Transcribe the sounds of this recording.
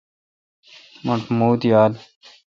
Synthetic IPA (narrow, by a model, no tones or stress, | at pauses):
mɐʈmuːt̪jaːl